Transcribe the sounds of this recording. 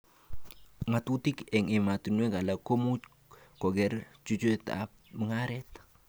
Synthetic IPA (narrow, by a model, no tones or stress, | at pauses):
ŋatutikɛŋɛmatunweɡalakomu | kɔɡɛɾt͡ʃut͡ʃeta̰ | məŋaɾɛt̪